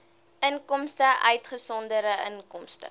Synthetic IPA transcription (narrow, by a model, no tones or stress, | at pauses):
ənkɔmstəʔœɥtχəsɔndəɾəənkɔmstə̰